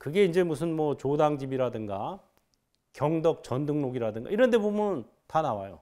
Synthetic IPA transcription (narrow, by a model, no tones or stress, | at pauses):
kɯɡe̞ind͡ʑe̞mus̬ʰɯnmwʌt͡ɕodaŋd͡ʑibiɾadɯŋɡa | kjʌŋdʌk̚t͡ɕʌndɯŋnoɡiɾadɯŋɡa̰iɾʌnde̞bomjʌn | tanawajo̰